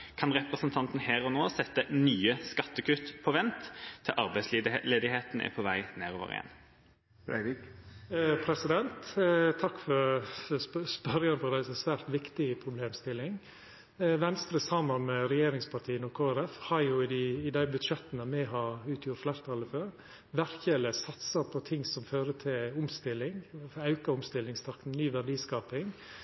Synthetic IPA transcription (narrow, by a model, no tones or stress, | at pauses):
kʰɑnʁɛpɾəsənt̪ʰɑnt̪n̩hæːɾɔnoːsɛt̪ːənyːəskɑt̪ːəkʰʉt̪pʰɔʋɛnt̪ʰːɪʔɑɾbæɪslleːd̪ɪheːt̪n̩ʔæ̰pʰɔʋæɪnæːɾoːʋə̰ɾɪ̰ɛ̰n | ɾæ̰ɪɾɪk | pʰɾɛsɪd̪ɛnt̪t̪ʰɑkːfɔɾ | spœɾɪɑnəfɔɾd̪æɪsɔmsʋæːɾt̪ʋɪkt̪ɪəpʰɾʊbleːmst̪ɪlːɪŋ | ʋɛnst̪ɾəsɑmːɑnmɛɾɛjeːɾɪŋspʰɑɾʈt̪ʰiːənɔkʰoːæɾɛfhɑɾjʊɪd̪iɪd̪æɪbʉd̪ʃɛt̪ənəmɛɦɑɾʉːt̪ʰjʊɾt̪flæɪɾt̪ʰɑːləføːɾ | ʋæɾçɛləsɑt̪sɑpʰɔt̪ʰɪŋsɔmføːɾət̪ʰɪlʊmst̪ɪlːɪŋɑʉkɑʊmst̪ɪlɪŋst̪ʰɑkn̩nyːʋæɖiːskɑːpɪŋ